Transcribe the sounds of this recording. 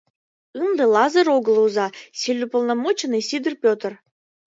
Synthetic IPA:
ɯnd̪ɤ̆lˠɑzɤɾoɡɤ̆lˠuzɑsʲilʲːupŏlˠnɑmot͡ɕenɨsʲid̪ərpʲot̪ə̆r

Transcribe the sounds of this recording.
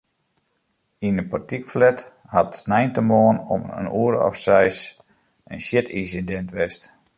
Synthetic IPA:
inəpɔtikflɛt | hatsnɛjntəmoːnɔ̰mə̰nuəɾɔ̰fsɛjs | ənsjɪtʰinsindɛntʋɛst

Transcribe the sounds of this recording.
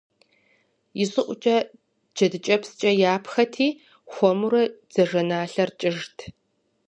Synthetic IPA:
jɪɕʼɨʔʷʊt͡ʃʼɐ | d͡ʒɐdɨt͡ʃʼɐpst͡ʃʼɐjaːpxɐtʰiː | xʷɔmuɾɐd͡z̥ɐʒɐnaːɬɐrt͡ʃʼɪʒtʰ

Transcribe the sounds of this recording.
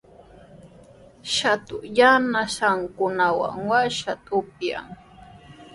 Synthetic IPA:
ʃat̪ʊjanaʃaŋkʊnawa̰ŋwaʃat̪ʼʊpja̰ŋ

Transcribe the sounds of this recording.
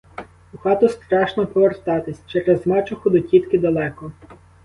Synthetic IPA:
uxɑt̪ʊst̪ɾɑʃnɔpɔʋert̪ɑt̪ɪsʲt͡ʃɛɾezmɑt͡ʃʊxʊd̪ɔtʲit̪kɪd̪ɐlˠɛkɔ

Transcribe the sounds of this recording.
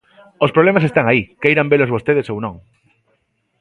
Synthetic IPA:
ospɾoβlemasest̪aŋaikejɾambelozβost̪eðesownõŋ

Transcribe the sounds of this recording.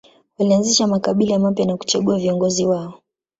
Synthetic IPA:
walianziʃamakaɓilaamapjanaku̥t͡ʃaɠuaviɔŋɡɔziwaɔ

